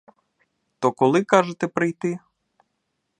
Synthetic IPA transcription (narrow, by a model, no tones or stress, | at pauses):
t̪ɔkɔlˠɪkɑʒet̪ɛpɾɪjt̪ɪ